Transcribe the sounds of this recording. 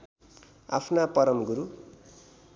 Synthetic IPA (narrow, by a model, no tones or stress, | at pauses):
a̰pʰnapʌɾʌmɡuɾu